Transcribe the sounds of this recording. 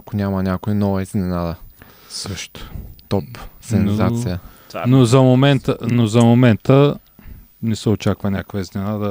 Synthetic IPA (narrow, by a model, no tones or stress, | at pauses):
kʊnʲamɐnʲakoinɔvɐiznɛnad̪ə | sɤʃt̪ʊ̥t̪ɔpsɛnozat̪sijə | nozɐmomɛnt̪ənozɐmomɛnt̪ə | nɛsɛot͡ʃakvɐnʲakvəznɛnad̪ɐ